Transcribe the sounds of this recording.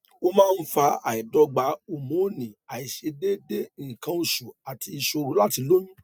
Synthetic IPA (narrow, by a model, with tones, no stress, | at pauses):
o˦mãː˦˧n̩˦fa˧a̰˨i˨dɔ˧˦ɡ͡ba˨˦o˨mõ˨˦˨nĩ˨a˨i˨ʃe˧de˦de˦˨kã˧˦u˨ʃu˨a˨ti˧i˧ʃo˧ɾu˦la˦ti˧lo˦ɲũ˦